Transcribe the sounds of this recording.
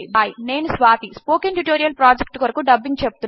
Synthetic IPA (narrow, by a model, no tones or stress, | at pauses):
ibːjine̞ːnusʋaːt̪ispoːkenʈuʈoːɾijɐlpɾaːd͡ʒek̚ʈkɐɾɐkuɖɐbːiŋt͡ʃebu̥t̪un